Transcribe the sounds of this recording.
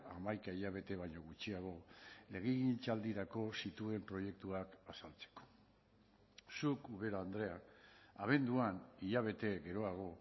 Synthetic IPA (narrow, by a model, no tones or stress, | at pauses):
amajkaiʎaβ̞e̞t̪e̞β̞aɲo̞ɣut͡ʃiaɣ̞o̞le̞ɣ̞iɣint͡ʃald̪iɾako̞sit̪ue̞mpɾo̞je̞k̚t̪uakasalt͡se̥ko̥ | sukuβe̞ɾaand̪ɾe̞akaβ̞e̞nd̪uaniʎaβ̞e̞t̪e̞ɣe̞ɾo̞aɣ̞o̞